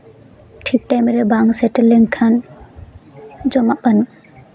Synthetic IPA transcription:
ʈʰik̚ʈajmɾɛbaŋsɛʈɛlɛŋkʰan | d͡ʒɔmaʔbanu

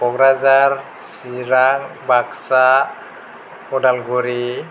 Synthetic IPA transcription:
bɔɡɾazar | siɾaŋbaksa | kʰɔdalɡuɾi

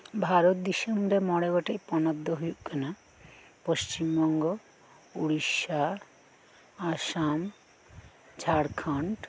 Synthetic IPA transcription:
bʱaɾot̪̚d̪isemɾemɔɽebaʈejpɔnɔd̪ʱːɔɦujuʔkena | post͡ɕimbɔŋɡo | uɽiʃa | aʃam | d͡ʑʰʱaɾkʰaɳʈ

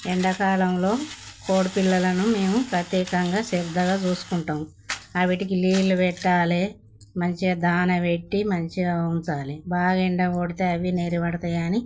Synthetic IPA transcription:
ɛɳɖɐkaːlɐmlo̞ːko̞ːɽupilːɐlɐnume̞ːmupɾɐt̪jɛːkɐŋɡaːsiɾd̪ʱːɐɡaːt͡ʃuːsu̥kuɳʈɐmu | ɐʋiʈikiliːluʋɛʈːaːleː | mɐɲt͡ʃid̪aːnɐʋeʈːimɐɲt͡ʃiɐunt͡ʃaːlebaːɡɐiɳɖɐoːɽit̪e̞ːɐʋineːɾiʋɐɽɐt̪ɐjaːni

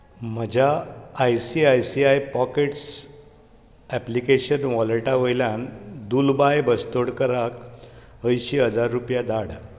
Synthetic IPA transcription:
m̤əd͡ʑʱaːjsiajsiajpɔkeʈs | æplikeɕənʋɔləʈaʋojljãnd̪ulbajbəst̪oɽkəɾak | əjɕiɦəd͡zaɾːupjad̪aɽ

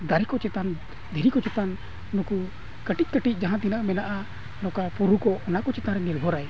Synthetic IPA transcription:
d̪aɾikɔt͡ʃɛt̪an | d̪ʱiɾikɔt͡ʃɛt̪an | nuku | kəʈic̪̚ˀkəʈitc̚ˀd͡ʒaɦãt̪inaʔmɛnaʔa | nɔkapuɾukɔʔɔnakɔt͡ʃɛt̪ãɾɛnilbʱɔɾaj

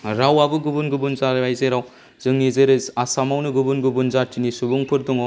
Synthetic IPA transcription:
ɾawabɯɡubunɡubunzaɾbajzeɾaw | z̥ɯŋnizeɾɯzasamawnɯɡubunɡubunzatinisubuŋpʰɯɾduŋɔ

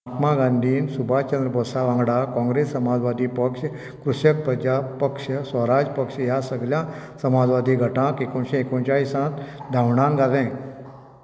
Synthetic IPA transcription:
t̪maɡãnd̪ʱiːnsubʱat͡ɕə̃nd̪ɾəpɔsaʋãŋɡɽakɔ̃ŋɡɾesːəmad͡zʋad̪ʱiːpəkʂ | kɾusjək̚pɾəd͡ʑabpəkʂəsəɾad͡ʑpəkʂjasəɡljãsəmad͡zʋad̪ʱiːɡʱəʈãkekõɕẽekõt͡ɕaisãt̪d̪ʱaʋɳãŋɡalɛ̃

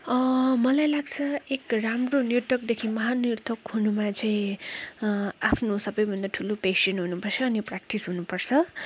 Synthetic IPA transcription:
ʌmʌlajlaɡt͡sʰʌekramronirt̪ʌk̚d̪ekʰimʌɦanirt̪ʌkɦunumat͡saĩ | apʰnosʌbʌjbʱʌnd̪aʈʰulopesʌnɦunupʌrt͡sʰʌːniprak̚ʈisɦunupʌrt͡sʰʌ

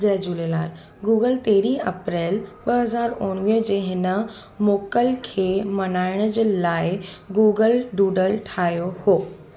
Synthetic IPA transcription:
zɛd͡ʑuːlela̰ːɾ | ɡuːɡəlt̪eːɾiːɐpɾeːlɓɐɦɐzaːɾʊ̃ːɽʋiːɦd͡ʑeːɦɪnə̆ | moːkəlkʰeːmɐnaːɪɽ̃əd͡ʑelaːɪɡuːɡəlɖuːɖəlʈʰaːɦijohoː

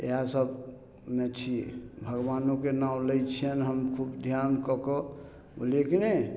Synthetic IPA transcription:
ḛɦasəb | met͡ʃʰiḛbʱəɡwanokenaũləjt͡ʃʰienɦəmkʰubd̪ʱjankɔkɔ | o̰lekine

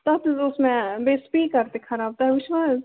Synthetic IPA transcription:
t̪ɐt̪ʊsmẽbeːspikɐɾt̪ekʰɐɾaːb̚t̪aɦɛʋɪʃʋaːs

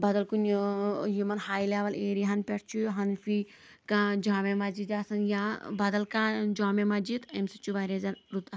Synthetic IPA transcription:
bɐd̪ɐlkunjumɐnhaːjleːʋɐleːɾiɦɐnpʲeʈt͡ʃʰuɦɐnfi | kãːd͡ʒaːmemɐd͡ʒid̪aːsɐnjabɐd̪ɐlkãːd͡ʒaːmemɐd͡ʒit̪emsit͡ʃuʋaɾezɐnɾut̪ɐ

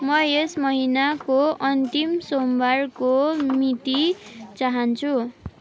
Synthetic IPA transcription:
mʌesmʌɦinakoʌnt̪imsombʌrkomit̪it͡saɦʌnt͡sʰu

